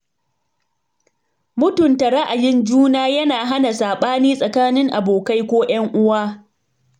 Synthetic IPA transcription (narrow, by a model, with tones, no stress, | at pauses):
mʊ˦tʊ˨nta˨ɽɐ˦ʔa˨jɪ˦nd͡ʒuː˦naː˦jɐ˦naː˨ɦa˦na˨saː˨ɓaː˦niː˦sʼɐ˨kaː˦nɪ˦ŋʔa̰˨boː˨ka˦jkʷoː˦j̰ɐ˦ŋʔʊ˦waː˦